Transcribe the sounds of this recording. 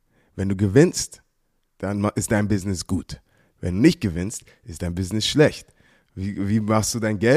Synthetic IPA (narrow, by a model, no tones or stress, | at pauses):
vɛnduːɡəvɪnst | d̥anmɪstd̥aɪnbɪznɪsɡ̥uːt | vɛ̰nduːnɪçt̚ɡ̥əvɪnst | ɪstd̥aɪnbɪznɪsʃlɛçt | viːviːmaχstd̥uːdaɪnɡɛ